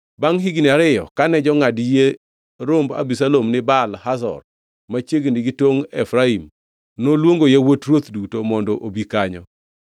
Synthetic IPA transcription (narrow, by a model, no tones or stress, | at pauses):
baŋɦiɡniaɾɪjɔ̰kanɛd͡ʒɔŋadje | ɾomba̰bis̬alomnɪbalhasɔ̰r | mat͡ʃjeɡiniɡitwoŋɛfɾaim | nolwoŋɡojawotrwot̪dutomɔndɔʔobikaɲɔ